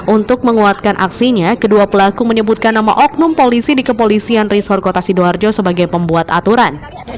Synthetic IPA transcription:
ʔunt̪ʊk̚məŋuat̪̚kanʔa̰ksiɲakəduapəlakuməɲəbut̪̚kanːama̰ʔɔk̚nʊmpolisidikəpolisianrisɔrkot̪asiduard͡ʒosəbaɡajpəmbuat̪at̪uɾan

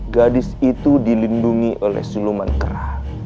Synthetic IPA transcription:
ɡadɪsit̪udilinduŋiʔolɛ̰hsuluma̰nkə̰ɾa̰h

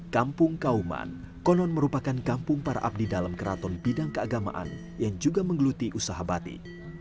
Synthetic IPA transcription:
kampʊŋkauma̰n | kɔnɔnməɾupakankampʊŋpaɾa̰ʔap̚didalamkəɾat̪ɔnbidaŋkəaɡama̰ʔa̰n | jaŋd͡ʒuɡaməŋɡəlut̪iʔusaɦabat̪ḭ

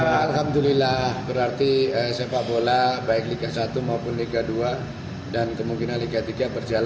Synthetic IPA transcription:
alɦamdulilahbəɾart̪iəsepaʔbolabaɪkliɡasat̪umaupʊnliɡadua | dankəmuŋkinanliɡat̪iɡabərd͡ʒala

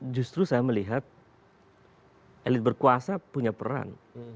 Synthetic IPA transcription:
d͡ʒust̪ɾusajaməliɦat̪̚ | ʔelɪt̪̚bərkuasapuɲapəɾa̰n

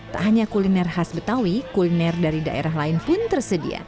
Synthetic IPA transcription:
t̪a̰ʔɦaɲakulinɛrɦasbət̪awikulinɛrdaɾida̰ʔḛɾaɦlaɪnpʊnt̪ərsədḭa̰

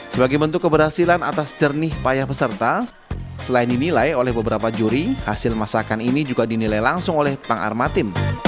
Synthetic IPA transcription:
səbaɡajbənt̪ʊkːəbərhasilanat̪asd͡ʒərnɪhpajahbəsərt̪a | səlaɪndinilajolɛhbəbəɾapad͡ʒuɾihasɪlmasakaninid͡ʒuɡadinilajlaŋsʊŋolɛhp̪aŋa̰rmat̪ɪm

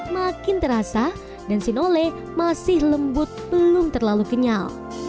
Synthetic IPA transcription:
makɪnt̪əɾasa | dansɪnolɛ | masɪhləmbʊt̪̚b̥əlʊmt̪ərlaluɡəɲal

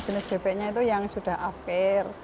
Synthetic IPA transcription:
d͡ʒənɪsb̥eb̥ɛʔɲait̪ujaŋsud̥a̤hafɛr

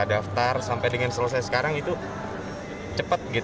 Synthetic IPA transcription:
daft̪arsampajdəŋansələs̬ajsə̥kaɾaŋit̪u | t͡ʃəpət̪̚ɡit̪

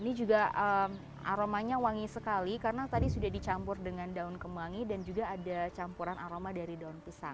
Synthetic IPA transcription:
inid͡ʒuɡaəm | a̰ɾomaɲawaŋisəkalikaɾənat̪adisudahdit͡ʃampʊrdəŋandaʊnkəmaŋidand͡ʒuɡaːdat͡ʃampuɾanʔaɾomadaɾidaʊnpəsa̰ŋ

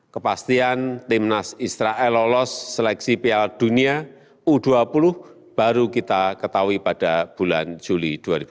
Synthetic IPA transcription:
kəpast̪iant̪imnasisɾaʔɛlolɔsːəlɛksipiald̪̥unia | ud̪̥uapulʊh | b̥a̤ɾukit̪akət̪awipad̥ab̥uland͡ʒulid̪̥uaɾib̥u

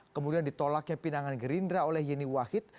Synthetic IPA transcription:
kəmudiandit̪olak̚ɲapinaŋanɡəɾindɾaolɛhjɛniwahɪt̪̚

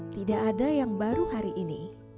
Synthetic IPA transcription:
t̪idaʔadajaŋbaɾuhaɾiʔini

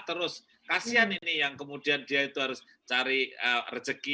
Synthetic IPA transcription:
t̪əɾʊs | kasianinijaŋkəmud̥iandiait̪uɦaɾʊs | t͡ʃaɾiərə̥d͡ʒ̥əki

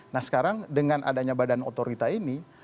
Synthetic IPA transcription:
nahsə̥kaɾaŋdəŋanʔa̰daɲabadano̰t̪oɾit̪aini

